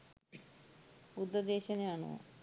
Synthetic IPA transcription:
ud̪ːɐd̪eːɕɐneaɳṵ

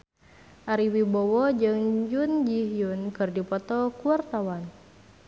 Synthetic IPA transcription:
ʔaɾiwibɔwɔd͡ʒɨŋd͡ʒund͡ʒiɦjunkɨrdipɔt̪ɔkuart̪awan

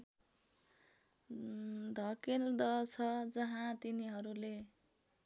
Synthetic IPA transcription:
d̪ʱʌkeld̪ʌt͡sʰʌd͡zʌɦãt̪iniɦʌɾule

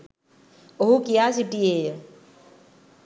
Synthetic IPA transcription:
oɦukɪjaːsiʈieːj

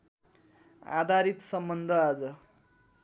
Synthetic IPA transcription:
a̰d̪ʱaɾit̪sʌmbʌnd̪ʱʌad͡zʌ

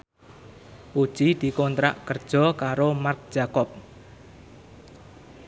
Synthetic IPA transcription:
pud̥ʒ̥id̪̥i̤kɔnt̪ɾa̰ʔkərd̥ʒ̥ɔ̤kaɾomark̚d̥ʒ̥akɔp̚

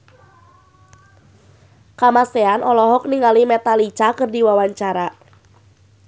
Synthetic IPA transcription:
kamaseanʔɔlɔɦɔk̚niŋalimɛt̪alit͡ʃakɨrdiwawaɲt͡ʃaɾa

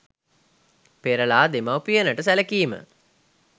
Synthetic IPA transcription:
peɾəlaːd̪emawpijənəʈəsæləkiːmə̰

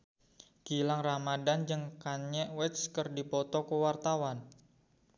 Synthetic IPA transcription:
ɡ̥ilaŋramadand͡ʒɨŋkaɲɛʔwɛt̪skərdipɔt̪ɔkəwart̪awan

